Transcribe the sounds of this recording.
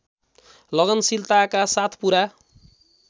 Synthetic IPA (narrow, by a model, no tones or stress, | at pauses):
lʌɡʌnsilt̪akasat̪ʰpuɾa